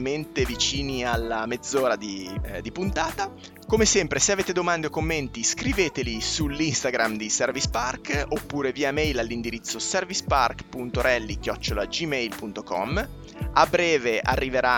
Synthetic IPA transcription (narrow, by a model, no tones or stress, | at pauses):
ment̪evit͡ʃiːnialːamed̪zːoːɾad̪id̪ipunt̪aːt̪a | komesɛmpɾeseaveːt̪ed̪omand̪eokːomːent̪iskɾiveːt̪elisulinst̪aɡɾamd̪isɛrvisparkopːuːɾeviːamɛjlalːind̪iɾit̪sːosɛrvispa̰rkpunt̪oɾɛlːikjɔt͡ʃːolad͡ʒimɛjlpunt̪okɔ̰m | abɾɛːveʔa̰rːiveɾa